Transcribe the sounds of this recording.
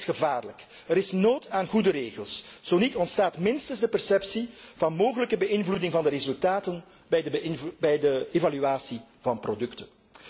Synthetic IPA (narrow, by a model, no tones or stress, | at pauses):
xəvaːrlək | əɾɪsnoːtaːnɣudəɾeːɣəlˠsz̥onitɔntstaːtmɪnstənzdəpɛrsɛpsiv̥ɑnmoːɣələkəbəɪnvludɪŋvɑndəɾezɵlˠtaːtən | bɛjdəbɛjdəevalyaːsivɑnprodɵktən